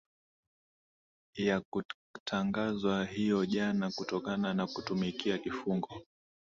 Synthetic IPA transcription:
jaku | tʰaŋɡazwahijɔʄanakutɔkananakutumikiakifuŋɡɔ

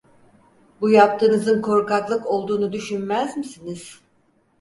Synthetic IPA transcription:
bujap̚t̪ʰɯːnɯzɯnkʰo̞ɾkaklˠɯko̞lˠd̪uːnud̪yʃynmæzmisiniz̥

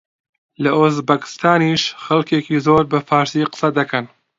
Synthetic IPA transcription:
lɐʔozbɐkɪ̥st̪aːniːʃxɐlkeːkiːzoːɾbɐfaːɾsiːqɨ̥sɐd̪ɐkʰɐn

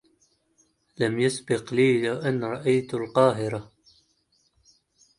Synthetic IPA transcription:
lamjʊsbɪqliːlawʔanɾˤɑʔajt̪alqɑːɦɪɾa

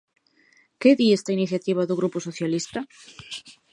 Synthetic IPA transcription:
keðiest̪ainiθjat̪iβ̞aðʊɣ̞ɾupʊsoθjalist̪ɐ

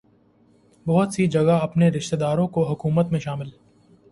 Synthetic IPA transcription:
bɐɦʊt̪sid͡ʒɐɡaɐpneɾɪʃt̪ed̪aːɾõkoɦʊkuːmət̪mẽʃaːmɪl

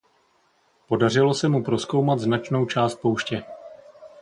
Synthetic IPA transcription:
po̞dar̝ɪlo̞sɛmupɾo̞sko̞wmat̪znat͡ʃno̞wt͡ʃaːst̪̚po̞wʃcɛ

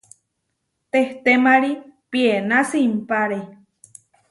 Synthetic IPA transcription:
t̪eht̪emaɾipienasimpaɾe

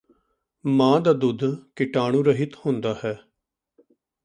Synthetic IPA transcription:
mãːd̪aːd̪ʊd̪ʱkɪʈaːɽ̃ũːɾəɦɪt̪hʊ̃ːnd̪aːhɛː

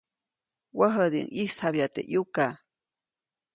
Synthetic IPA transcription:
wəɦəd̪ḭŋihshaβjat̪ḛʔjuka

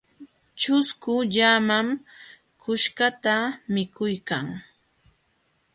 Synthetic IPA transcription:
t͡ʃʊskʊʎamam | kʊʃkat̪amɪkʊjkaŋ

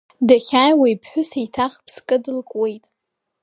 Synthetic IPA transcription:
daχʲaːjwajpʰħʷᶣʊsejtʰaχpʰskʼɨdɨlkʼwe̞jtʼ

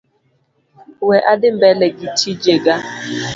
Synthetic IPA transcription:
weʔadɪm̩bɛleɡitʰid͡ʒeɡa

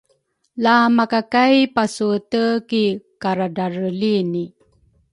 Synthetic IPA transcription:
lamakakajpasutəkikaɾadaɾəlini

